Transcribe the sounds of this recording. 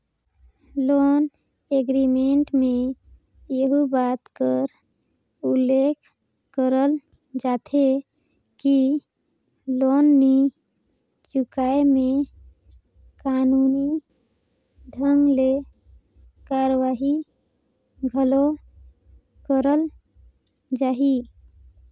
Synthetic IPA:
loːn | eɡɾimeɳʈme | jəɦubat̪kəɾ | ulːekʰ | kəɾəl | d͡ʒat̪ʰe | ki | lonːi | t͡ʃukaeme | kanuni | ɖʱəŋɡle | kaɾʋaɦi | ɡʱəlo | kəɾəl | d͡ʒaɦi

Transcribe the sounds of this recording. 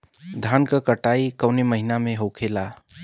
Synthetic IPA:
d̪ʱankəkəʈaikəwneməɦinamẽɦokʰela

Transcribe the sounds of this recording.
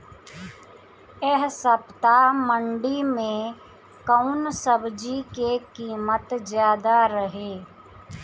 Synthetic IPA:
ɛɦsəpt̪aməɳɖimẽ | kəʊnsəbd͡ʒikekiːmət̪zjaːd̪aɾəɦeː

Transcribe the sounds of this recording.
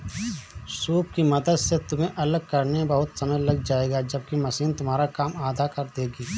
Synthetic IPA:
suːp̚kimɐd̪əd̪set̪ʊm̤ẽʔɐləɡ̚kɐɾnebəɦʊt̪sɐməjləɡd͡ʒaːeːɡad͡ʒɐb̚kimɐsiːnt̪ʊmɦaːɾakaːmaːd̪ʱakɐɾd̪eːɡiː

